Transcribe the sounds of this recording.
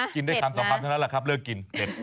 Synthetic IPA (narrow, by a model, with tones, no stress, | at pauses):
ki˧ndaː˥˩jtʰa˧msɔ˨˩˦pʰaː˧mt̪ʰa˥˩lːla˧kʰɾa˦˥p̚lɤː˥˩kːi˧nte˨˩p̚